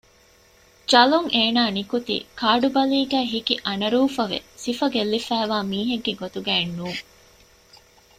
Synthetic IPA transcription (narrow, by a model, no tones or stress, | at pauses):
d͡ʒɐloŋʔeːnaːnikut̪ḭːkaːɖubɐliːɡæːɦikiʔɐnɐɾuːfɐʋḛsifɐɡelːifæːʋaːmiːɦeɡːeɡot̪uɡæːnːuːŋ